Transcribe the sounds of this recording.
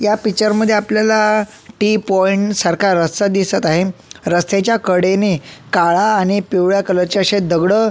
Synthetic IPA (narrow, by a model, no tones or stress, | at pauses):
japit͡ɕəɾməd̪ʱːjeapljala | ʈipɔiɳʈsəɾkaɾːəst̪əd̪isət̪aɦeɾəst̪et͡ɕjakəɽenekaɭaːɽ̃ipewɭjakələɾt͡ɕaəɕed̪əɡɽə